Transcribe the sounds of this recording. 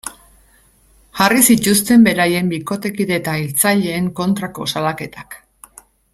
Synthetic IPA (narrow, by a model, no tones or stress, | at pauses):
ʝarisit̪ust̪e̞mbe̞ɾaje̞mbiko̞t̪e̞kiɾet̪ailt͡saʎe̞ːŋko̞nt̪ɾako̞̰salake̞t̪ḁk